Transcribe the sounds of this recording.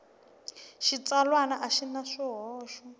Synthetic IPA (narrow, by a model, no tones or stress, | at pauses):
ʃit͡salwanaʔaʃinaʂiɦɔːʃɔ